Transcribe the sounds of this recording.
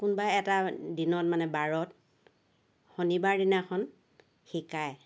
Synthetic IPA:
kunbaɛtadinɔtmanɛbaɹɔt̚ | xonibaɹdinakʰɔn | xikaj

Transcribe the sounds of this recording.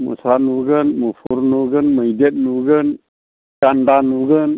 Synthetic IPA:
mṵsanuɡɯnmufʰuɾnuɡənməjdet̪̚nuɡən | kandanuɡɯn

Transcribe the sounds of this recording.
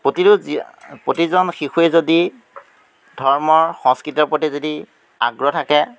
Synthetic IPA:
poti | potizɔnxixuezodi | dʱɔɹmɔɹxɔ̃ŋskɹitɔɹpotizodi | a̰ɡɹɔtʰakɛ

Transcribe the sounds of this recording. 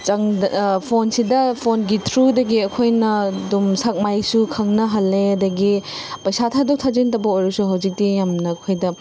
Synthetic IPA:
t͡ʃɐŋpʰonsidɐpʰonɡitʰɾudɐɡiɐkʰojnɐdumsak̚majsukʰɐŋnɐɦɐlːeɐdɐɡi | pɐjsatʰadɐwtʰazintɐbɐojɾɐsuɦawzik̚tijamnɐːkʰojdɐ

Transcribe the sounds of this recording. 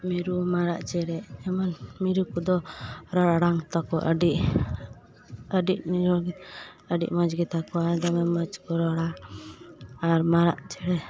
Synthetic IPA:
miɾumaɾa̰ʔt͡ʃɛɾɛɛmanmiɾukɔd̪ɔɾɔɽaɽaŋt̪ɔkɔʔɖiʔ | əɖiʔmiɾuɡ | əɖḭʔmad͡ʒɡɛt̪akɔaɾd̪ɔmɛməd͡ʒkɔɾɔɽa | ɾmaɾaʔt͡ʃɛɾɛ

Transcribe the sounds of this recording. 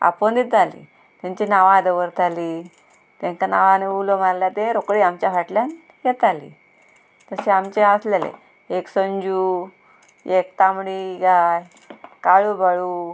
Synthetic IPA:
a̰pəɳd̪it̪̚d͡zalḭ | t̪jãɲt͡ɕinaʋãd̪əʋəɾt̪ʰaliː | t̪jãŋkanaʋãneulomaɾljat̪eɾokɽiamt͡ɕjafaʈljan | jɛt̪alḭ | t̪əseamt͡ɕeəslelḛ | eksəɲd͡ʑuː | ek̚t̪amɽiɡaj | kaɭubʱəɭuː

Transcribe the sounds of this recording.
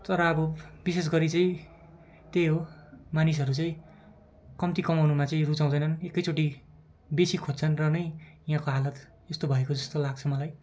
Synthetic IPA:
t̪ʌɾʌːbʌbises̬ɡʌɾit͡sʌĩ | t̪ejɦomanis̬ʌɾut͡sʌ̃ĩ | kʌmt̪ikʌmawnumat͡sʌĩrut͡saw̃d̪ʌjnʌnekːʌjt͡soʈi | besikʰod͡zt͡sʰʌnrʌnʌjjɦãkoɦalʌt̪ | est̪obʱʌekod͡zʌst̪olaɡ̚t͡sʰʌmʌlaj

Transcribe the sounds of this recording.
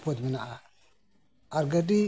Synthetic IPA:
podmənaʔa | aɾɡadi

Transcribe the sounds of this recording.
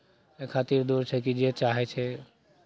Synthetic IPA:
ekʰat̪iɾd̪uɾt͡ʃʰɛkid͡ʒet͡ʃaɦɛt͡ʃʰɛ

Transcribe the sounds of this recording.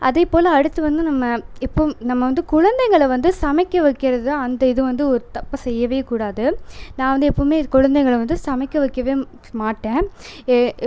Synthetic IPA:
ʔɐðeːpoːlɐːɽɯt̪ːɯʋɐnd̪ɯnɐmːɐɪpːoːmnɐmːɐʋɐnd̪ɯkʊɻɐnd̪ɐɪŋɡɐɭɐʋɐnd̪ɯsɐmɐɪkːɐʋɐkːɪɾɐðɯɐnd̪ɐɪðɯʋɐnd̪ɯɔɾɯt̪ɐpːɐsɛjːɐʋeːkuːɽaːðɯnãːʋɐnd̪ɯɛpːɐmeːkʊɻɐnd̪ɐɛŋɡɐɭʋɐnd̪ɯsɐmɐɪkːɐʋɐkːɐʋeː | maːʈːẽː

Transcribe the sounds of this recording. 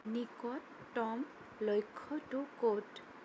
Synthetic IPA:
nikɔtːɔm | lojkʰːɔtʊkot

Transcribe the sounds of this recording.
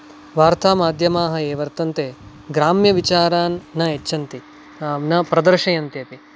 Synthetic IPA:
ʋaːɾt̪ʰaːmaːd̪ʱjɐmaːɦɐeːʋɐɾt̪ɐnt̪eː | ɡɾaːmjɐʋit͡ʃaːɾaːnːɐet͡ʃːɐnt̪i | nɐpɾɐd̪ɐɾʃɐjɐnt̪jɐt̪i

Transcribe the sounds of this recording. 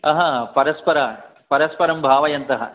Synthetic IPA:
ɐɦɐ̃ːpɐɾɐspɐɾɐ | pɐɾɐspɐɾɐmbʱaːʋɐjɐnt̪ɐɦɐ̰

